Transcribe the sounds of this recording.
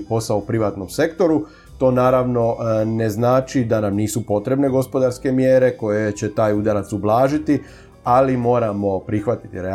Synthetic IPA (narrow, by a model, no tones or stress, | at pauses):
po̞saoupɾiʋaːt̪no̞mse̞kt̪o̞ɾu | t̪o̞ːnaːɾaʋno̞ne̞znaːt͡ʃid̪anamniːsupo̞t̪ɾe̞bne̞ɡo̞spo̞d̪aɾske̞mjeːɾe̞ko̞je̞t͡ɕe̞t̪aːjud̪aɾat̪sublˠaːʒit̪i | alimo̞ːɾamo̞pɾixʋat̪i̥t̪iɾe